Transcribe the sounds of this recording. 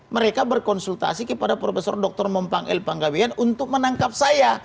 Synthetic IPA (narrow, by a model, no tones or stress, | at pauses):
məɾekabərkɔnsult̪a̰sikəpadapɾofesɔrdɔk̚t̪ɔrmɔmpaŋɛ̰lpaŋɡawianunt̪ʊk̚mənaŋkap̚saja